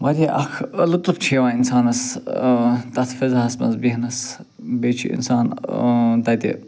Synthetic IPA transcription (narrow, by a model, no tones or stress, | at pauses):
mɐɾʲiʔɐ̰kʰəlɨt̪lpt͡ʃʰiːʋãːinsaːnɐs | t̪ɐt̪ʰfezɦɐsmɐ̰zbiɦɐnɐs | beːt͡ʃʰḭḭnsaːn | t̪ɐt̪ḭ